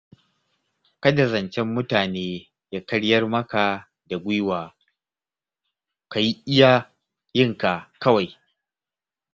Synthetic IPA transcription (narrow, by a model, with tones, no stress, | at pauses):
kɐ˦dɐ˨zɐ˨nt͡ʃɛ˦mːʊ˦taː˨neː˦ | ja˦kɐ˦ɽjɐ˦rmɐ˦ka˨ | da˨ɡʷi˦waː˨ | ka˨ji˦ʔɪ˦jaː˦ | jɪ˦ŋka˨kɐ˦wa˨j